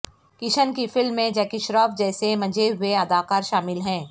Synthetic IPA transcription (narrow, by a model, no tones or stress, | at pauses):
kɪʃənkifɪlmːẽd͡ʒɛːkɪʃɾɔːfd͡ʒɛːsemɐ̃d͡ʒeɦʊeɐd̪aːkaːɾʃaːmɪlɦɛ̃ː